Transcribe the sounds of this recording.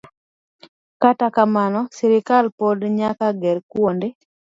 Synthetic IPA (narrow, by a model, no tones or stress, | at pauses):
katakamanɔsɛɾɪkalpɔdɲakaɡɛɾkwonde